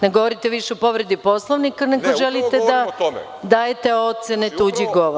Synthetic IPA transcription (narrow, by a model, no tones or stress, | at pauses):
neɡoʋoɾit̪eʋiʃeopoʋɾed̪iposlˠoʋnikaneɡoʒelit̪ed̪a | d̪aːjet̪e̞o̞t̪senet̪uːd͡ʑiɡoʋo